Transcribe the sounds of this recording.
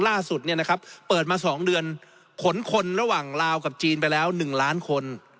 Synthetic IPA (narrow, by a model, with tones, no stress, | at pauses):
laː˥˩su˨˩t̪̚ni˥˩ɐna˦˥kʰa˦˥p̚pːɤː˨˩t̪̚maː˧sɔː˩˦ŋdɯ˧ən | kʰo˨˩˦nkʰo˧nɾa˧waː˨˩ŋɾaː˧wka˨˩p̚t͡ɕiː˧npa˧jlɛː˦˥wnɯ˨˩ŋlaː˦˥nkʰo˧n